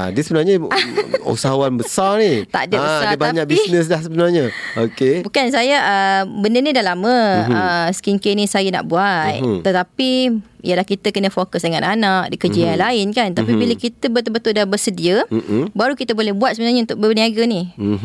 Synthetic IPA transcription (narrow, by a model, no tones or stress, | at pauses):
a̰dəsəbənarɲa | ṵsaɦuanbəsarnit̪a̰ʔdaəsadabaɲak̚bisnəs̬lahsəbənarɲaokebukansajaʔəbəndənĩdalamə̃əskiŋkenĩsajəna̰ʔbuat̪̚t̪ːət̪apijəlahkit̪əkənə̃fokəsdəŋãnanak̚dikəd͡ʒianlaɪnkant̪apibiləkit̪əbət̪əbət̪ʊldabərsədiəbaɾukit̪əbolɛhbuat̪̚səbənarɲəunt̪ʊk̚bəniaɡani